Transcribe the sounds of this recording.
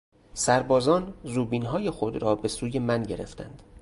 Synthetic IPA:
sæɾbɒːzɒːnzuːbiːnɦɒːje̞xo̞d̪ɾɒːbe̞suːje̞mænɟe̞ɾe̞̰ft̪ʰæ̰nd̪̥

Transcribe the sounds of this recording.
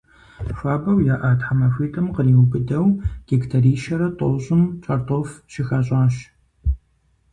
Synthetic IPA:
fʷaːbɐwjaːʔaːtħamɐxʷiːtʰʼɐmqəɾiːwʊbɨdɐwɡ̥ektʰɐɾiːʃɐɾɐtʼoːɕʼɪmt͡ʃʼɐrtʰʼoːfʃɪxaːɕʼaːɕ

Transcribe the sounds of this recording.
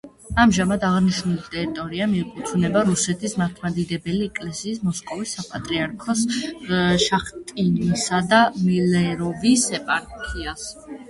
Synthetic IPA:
amʒamad̪aʁniʃnulit̪ʼɛɾit̪ʼɔɾiamiupʼut̪ʰunɛbaɾusɛt̪ʰismaɾt̪ʰmad̪id̪ɛbɛliɛkʼlɛsiːsmɔskʼɔvisːapʼat̪ʼɾiaɾkʰɔs | ʃaχt̪ʼinisad̪amilɛɾɔvisɛpʼaɾkʰias

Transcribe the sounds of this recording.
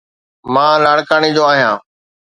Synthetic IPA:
mãːlaːɽkaːnid͡ʑoːaːɦijãː

